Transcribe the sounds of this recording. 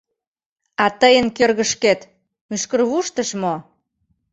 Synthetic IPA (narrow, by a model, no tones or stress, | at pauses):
ɑt̪əjənkørɣə̆ʃket̪ | myʃkərβuʃt̪əʃmo